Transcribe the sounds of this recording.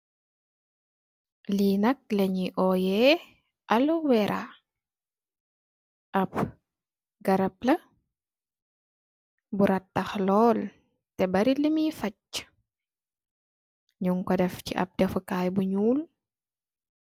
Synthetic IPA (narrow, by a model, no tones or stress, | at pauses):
linɐk̚lɛɲiʔɔjɛ | ʔɐluwɛɾʔa̰ | ʔɐp̚ | ɡɐɾɐp̚lɐ | buɾɐtːɐxlɔːl | tɛbɐɾilimifɐc̚ | ɲuŋkɔdɛfciʔɐ̰p̚dɛfəkaːjbuɲuːl